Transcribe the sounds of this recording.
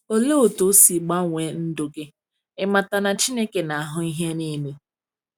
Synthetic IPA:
o˦le˦o˨to˨˦si˨ɡ͡ba˦ŋʷe˨n̩˦do˨ɡe˦ | ɪ˦ma˨ta˨na˨t͡ʃi˦ne˦ke˨na˨a˨ɦʊ˦i˦ɦe˦ni˦me˦

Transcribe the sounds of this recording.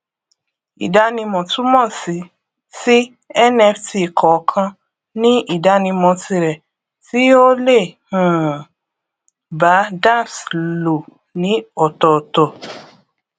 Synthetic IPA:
ḭ˨da˧˦nĩ˧mɔ̃˨tũ˨˦mɔ̃˦˨si˨˦ | si˦ | ɛ˦˨nɛ˧fti˧˨kʰɔ˨˦kʰã˧ | nĩ˦i˦˨da˨˦nĩ˧mɔ̃˧ti˧ɾɛ˨ | ti˨˦o˦le˦˨hũ˨ | ba˨˦da˦˨slo˨ | nĩ˨˦ɔ˦˨tɔ˨tɔ˨

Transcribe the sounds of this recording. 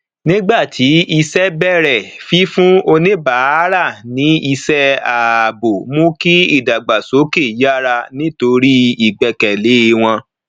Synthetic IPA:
nĩ˦ɡ͡ba˦˨tʰi˨˦i˧sɛ˦bɛ˦˨ɾɛ˨fi˦fũ˦o˧nĩ˦ba˨˦ɾa˦˨nĩ˨˦i˧sɛ˦a˨bo˨mõ˦ki˦i˦˨da˨ɡ͡ba˨so˨˦ke˦˨ja˦ɾa˧nĩ˦to˧ɾi˦i˦˨ɡ͡bɛ˨kɛ˨le˨˦e˧w̃ɔ̃˧

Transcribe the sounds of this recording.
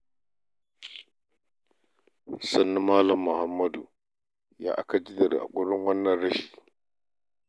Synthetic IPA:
sa˦nːi˦ma˦la˦mːu˨ha˦mːa˦du˨ | ja̰˨ʔa̰˨ka˦d͡ʒi˦da˨ɾa̰˨ɡʷu˦ɾu˦ŋwa˦nːa˦ɾa˦ʃi˨

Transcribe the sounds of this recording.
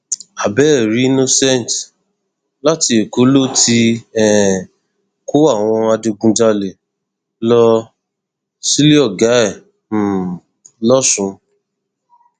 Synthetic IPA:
a˨bɛ˦˨ɾi˨˦i˦no˦sɛ̃˦˨n˨t | la˦ti˧e˨ko˨˦lo˦˨ti˧ɛ˦˨ | ko˦a˦˨w̃ɔ̃˧a˧de˧ɡũ˧d͡ʒa˧le˨ | lɔ˧ | si˦li˦ɔ˦˨ɡa˨˦ɛ̃˦˨ | lɔ˦sũ˨˧

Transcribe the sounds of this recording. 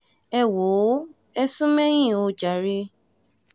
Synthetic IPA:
ɛ˧˨wo˨˦ | ɛ˦sũ˦mɛ̃˦j̃ĩ˦˨o˧d͡ʒa˨˦ɾe˧

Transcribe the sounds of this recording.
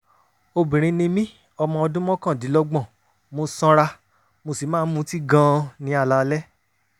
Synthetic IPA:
o˧bĩ˨ɾ̃ĩ˧nĩ˧mĩ˦ | ɔ˧mɔ̃˧ɔ˧dũ˦mɔ̃˦kã˦˨di˨˦lɔ˦ɡ͡bɔ̃˦˨ | mo˧sã˧ɾa˧ | mo˧si˨mãː˦mũ˧˦ti˦ɡã˧˦˧nĩ˧˦a˧˨la˨˧lɛ˦

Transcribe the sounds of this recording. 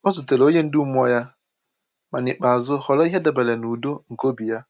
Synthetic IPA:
o˦zʊ˨te˨lo˦ɲe˦n̩˦dɪ˦u˦m˦ɔ˦ja˦ | ma˨nɪ˨k͡pa˨zʊ˦hɔ˨lɔ˦i˦ɦe˦da˨be˨le˨nu˨do˦ŋ̩˨ko˦bi˨ja˦

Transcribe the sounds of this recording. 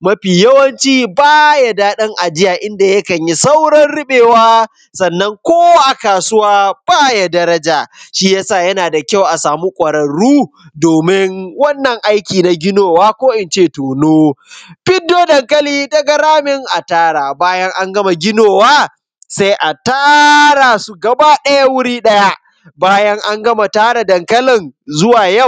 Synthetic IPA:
mɐ˦ɸiː˨jɐ˦wɐ˦nt͡ʃiː˦baː˦ja˨daː˦ɗɐ˦ŋʔa˨d͡ʒɪ˦jaː˨ʔɪ˦nda˨jɐ˦kɐ˨ɲji˦sa˦wɽɐ˦nɽɪ˦ɓeː˨waː˦ | sɐ˨nːɐ˦ŋkʷoː˦wa˦ʔa˨kaː˨sʊ˦waː˦b̥aː˦ja˨dɐ˦ɾɐ˦d͡ʒaː˨ʃiː˦jaː˦saː˦˨jɐ˦naː˨da˨kʲa˦˨wʔa˨saː˨mu˦kʷʼɐ˨ɽɐ˨ɽuː˦ | doː˨mɪ˦ŋwɐ˦nːɐ˨ŋʔa˦jkʲiː˨na˨ɡʲɪ˦noː˨waː˦kʷoː˦ʔɪ˨nt͡ʃeː˦˨toː˨noː˦ɸɪ˦dːoː˦dɐ˨ŋkɐ˦liː˦dɐ˦ɡɐ˦ɾaː˦mɪ˦ŋʔa˨taː˦ɽaː˨baː˦jɐ˦ŋʔa˦ŋɡɐ˦ma˨ɡʲɪ˦noː˨waː˦ | sa˦jʔa˨taː˦ɾa˨su˨ɡɐ˨baː˦ɗɐ˦ja˦wʊ˦ɽiː˦ɗɐ˦ja˦ʔ | baː˦jɐ˦ŋʔa˦ŋɡɐ˦ma˨taː˦ɽa˨dɐ˨ŋkɐ˦lɪ˨nzʊ˦waː˨jɐ˦˨

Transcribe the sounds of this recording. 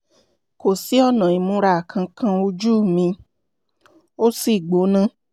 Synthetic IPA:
ko˨si˨˦ɔ˦˨nã˨i˨mũ˨˧˦ɾa˧˨kʰã˧kʰã˧o˧d͡ʒu˦˨mĩ˧ | o˦si˦˨ɡ͡bo˨˦nã˦

